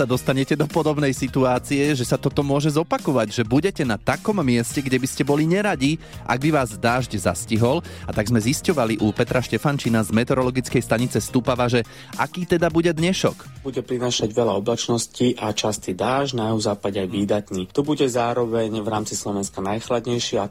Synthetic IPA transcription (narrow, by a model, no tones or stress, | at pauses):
sad̪ɔst̪aɲɛcɛd̪ɔpɔd̪ɔbnɛjsit̪uaːt͡sijɛʒɛsat̪ɔt̪ɔmʊɔʒɛzɔpakɔʋaɟʒɛbuɟɛcɛnat̪akɔmːɪɛscɛɡɟɛbiscɛbɔliɲɛɾaɟi | ʔa̰ɡ̚biʋaːzd̪aːʒɟza̰sciɦɔlat̪aɡzmɛziscɔʋaliʔupɛt̪ɾaʃcɛfant͡ʃinazmɛt̪ɛɾɔlɔɡit͡skɛjst̪aɲit͡sɛst̪upaʋaʒɛ | ʔa̰kiːt̪ɛd̪abuɟɛd̪ɲɛʃɔ̰k | buɟɛpɾinaːʃaɟʋɛlaɔblat͡ʃnɔsciʔat͡ʃast̪id̪aːʒnajɛuzaːpaɟɛajʋiːd̪at̪niːɔbuɟɛzaːɾɔʋɛɲvɾaːmt͡sislɔʋɛnskanajxlad̪ɲɛjʃia